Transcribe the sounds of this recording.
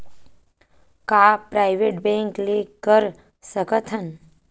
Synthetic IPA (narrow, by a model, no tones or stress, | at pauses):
kaːpɾajʋeʈbẽŋklekːəɾ | səkət̪ʰən